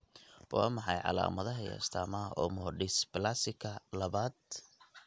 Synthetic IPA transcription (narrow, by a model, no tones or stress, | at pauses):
wʔɑ̰ːmɑħɑjʕɑ̰la̰ːmɐðɐɦɐjɛ̰ːst̪ʰaːmɐɔːmʊɦɔɖɪsblasɪkʰɐlɐβaːd̪̚